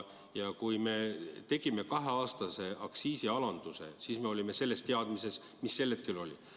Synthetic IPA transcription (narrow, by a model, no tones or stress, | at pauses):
jɑkujme̞t̪e̞ɡ̥ime̞kɑɦe̞ɑːst̪ɑse̞ʔɑksiːsiɑlɑnd̪̥use̞̰siːsme̞o̞lʲime̞se̞lːe̞st̪e̞ɑd̪mise̞s | misːe̞lːet̪̚kylo̞lʲḭ